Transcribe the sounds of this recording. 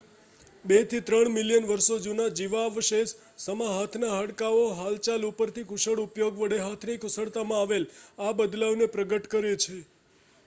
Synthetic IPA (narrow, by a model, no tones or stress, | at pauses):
bet̪ʰit̪ɾəɳmɪljənʋəɾʃod͡ʒunad͡ʒiʋaʋʃes | səmaɦat̪ʰnaɦəɽkaoɦalt͡ʃalupəɾt̪ʰikʊʃəɽupjoɡʋəɽeɦat̪ʰnikʊsəɭt̪amãaʋelabəd̪laʋnepɾəɡəʈkəɾet͡ʃʰe